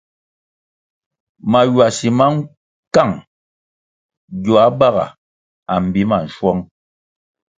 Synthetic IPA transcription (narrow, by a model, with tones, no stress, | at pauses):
ma˨jwa˨si˨ma˦ŋ̩˦ | ka˦˨ŋ | ɟɔ˨a˨˦ba˦ɣa̰˨ | a˨m̩˨bi˨˦ma˨n̩˨ʃwɔ˦ŋ